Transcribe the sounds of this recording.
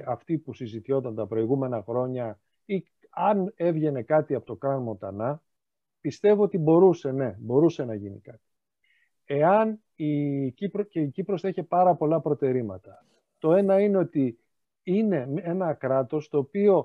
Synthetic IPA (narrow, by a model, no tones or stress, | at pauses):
ɐft̪ipusizit̪ço̞t̪ɐnt̪ɐpɾo̞iɣume̞nɐxɾo̞ɲɐ | i | ɐne̞vʝe̞ne̞kɐt̪iɐpot̪o̞kɾɐnmo̞t̪ɐnɐ | pist̪e̞voot̪ibo̞ɾuse̞ne̞bo̞ɾuse̞nɐʝinikɐt̪i̥ | e̞ɐn | icipɾoceicipɾo̞seçepɐɾɐpo̞lɐpɾo̞t̪e̞ɾimɐt̪ɐ | t̪o̞e̞nɐine̞o̞t̪i | ine̞menɐkɾɐt̪o̞st̪o̞ːpio̞